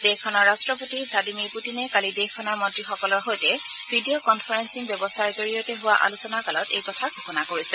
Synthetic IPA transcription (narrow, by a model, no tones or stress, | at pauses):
dexkʰːɔnɔɹɹastɹɔpotibʱladimiɹputinɛkalidexʰɔnaɹmɔntɹixɔkɔlɔɹɦojtɛ | bʱidijokɔnpʰaɹɛnsinbjɔbɔsaɹɛzoɹijɔtɛɦʊwaʔa̰lusɔnakalɔtḛjkɔtʰaɡʱokɔnakoɹisɛ